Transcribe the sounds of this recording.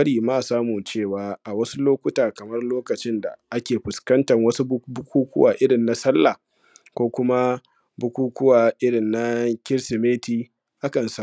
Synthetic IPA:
ɐ˦ɽiː˨ma˦˨saː˦mu˨t͡ʃeː˦˨waː˨ʔa˨wɐ˦su˦loː˦kʷʊ˦taː˨kɐ˨mɐ˦rloː˦kɐ˨t͡ʃɪ˦nda̰˨ʔa˦kʲeː˨ɸʊ˨skɐ˦ntɐ˨ŋwɐ˦su˦bʊ˦kʷuː˦kʷʊ̰˦waː˨ʔɪ˦ɽɪ˨nːa˦sɐ˦lːa˨ | kʷoː˦kʷʊ˦ma˦ | bʊ˦kʷuː˦kʷʊ˦waː˨ʔɪ˦ɽɪ˨nːa˦kʲɪ˦ɾsɪ˨meː˦tiː˦ | ʔa˦kɐ˨nsa˦˨

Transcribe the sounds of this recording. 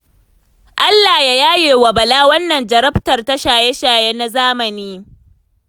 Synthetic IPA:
ʔa˦lːaː˨ja˦jaː˦jeː˨wɐ˨bɐ˨laː˦wɐ˦nːɐ˨nd͡ʒɐ˨ɾɐ˦ɸtɐ˨rta˦ʃaː˨je˦ʃaː˨je˦na˦zaː˦mɐ˨niː˦

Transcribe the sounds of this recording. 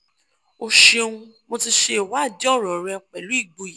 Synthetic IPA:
o˧ʃẽ˧ũ˧ | mo˧ti˧ʃe˧i˨wa˨˦˨d͡ʒɔ˦˨ɾɔ˨ɾɛ˧˦˨k͡pɛ˨lu˨˦i˦˨ɡ͡bo˨˧˨j

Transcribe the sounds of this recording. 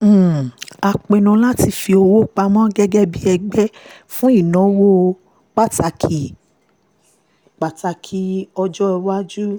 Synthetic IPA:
a˧k͡pe˧nũ˧˦la˦ti˧fi˧o˧wo˦k͡pa˧mɔ̃˦ɡɛ˦ɡɛ˦bi˦ɛ˧ɡ͡bɛ˦fũ˦i˦˨nɔ̃˨˦wo˦ | k͡pa˦˨ta˧kʰi˨ | k͡pa˨ta˧kʰi˧ɔ˧d͡ʒɔ˦ɛ˧wa˦d͡ʒu˦

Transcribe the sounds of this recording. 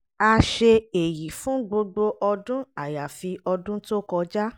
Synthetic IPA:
a˧ʃe˧e˨ji˨fũ˦ɡ͡bo˧ɡ͡bo˧ʔɔ˧dũ˦a˨ja˨fi˧ɔ˧dũ˦to˦kɔ˧d͡ʒa˦

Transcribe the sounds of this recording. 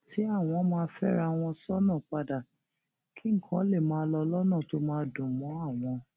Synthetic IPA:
tʰi˨˦a˦˨w̃ɔ̃˧mãː˧˦fɛ̰˦ɾa˧w̃ɔ̃˧sɔ˦nã˦˨k͡pa˧da˨ | kʰi˦ŋ̩˦˨kʰã˦le˦˨mãː˦lɔ˧lɔ˦nã˦˨to˨˦mãː˧˦dũ˨mɔ̃˨˦a˦˨w̃ɔ̃˧

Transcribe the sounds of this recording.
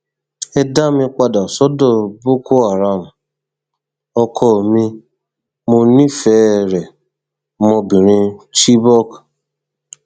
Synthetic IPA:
ɛ˦da˦mĩ˧k͡pa˧da˨ɔ˨sɔ˦dɔ˦˨bo˦ko˦a˨ɾa˦˨m̩˨ | ɔ˧kʰɔ˧˨mĩ˧ | mo˧nĩ˦fɛ˦˨ɾɛ˨ | mɔ˧bĩ˨ɾĩ˧t͡ʃi˦bɔ˦k

